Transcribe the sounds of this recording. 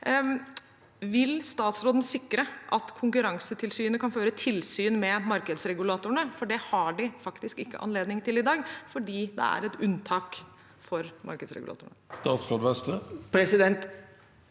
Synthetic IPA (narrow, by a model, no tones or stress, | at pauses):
ʋɪlst̪ɑːt̪sɾoːd̪ənsɪkːɾəʔɑt̪kʰʊŋkʉɾɑŋsət̪ʰɪlsyːənəkʰɑnføːɾət̪ʰɪlsyːnmɛmɑɾkəd̪sɾɛɡʉlɑːt̪ʊəɳəfɔɖɛhɑɖɪfɑkt̪ɪskɪkːə̰ʔɑ̰nleːd̪nɪŋt̪ʰɪlɪd̪ɑːɡfɔɖiːd̪ɛ̰æ̰ɾɛt̪ʉnt̪ʰɑːk | fɔɾmʔɑ̰ɾkəd̪sɾɛ̰ɡʉ̰ɑ̰ːt̪ʊːɳəst̪ɑːt̪sɾoːd̪ʋɛst̪əpʰɾɛsɪd̪ɛnt̪